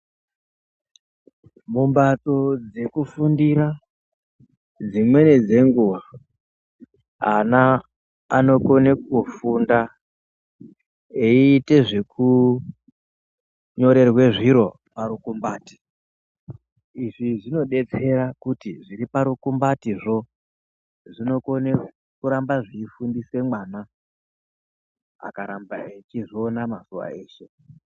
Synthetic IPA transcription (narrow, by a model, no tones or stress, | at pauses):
mumbato̞d͡ze̞kufundiɾa | d͡zimwe̞ned͡ze̞ŋɡuːwa | anaː | no̞konek̚ufunda | eiːte̞ʐe̞ku | ɲo̞ɾe̞rwe̞ʐiɾo̞ | paɾukumbaːti̥ | iʐiʐino̞ɗe̞t͡se̞ɾakutiʐiɾipaɾukumbatiʐo̞ | ʐino̞ko̞ne | kuɾambaʐiːfundiswe̞mwana | a̰kaɾambaet͡ʃiʐionamazuwa̰e̞ːʃe̞